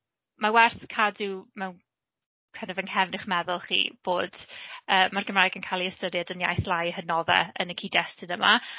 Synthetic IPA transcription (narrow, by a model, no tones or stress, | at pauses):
mawɛrθkʰadumɛwn | kʰɛnəvənhɛvnɪχmɛðʊlˠχḭːb̥oːd̥əːmarɡəmrajɡənkʰajlˠiəstəɾjadənja̰jθlˠajənɔðɛ̰ənəkʰiːdɛstɪnəma̰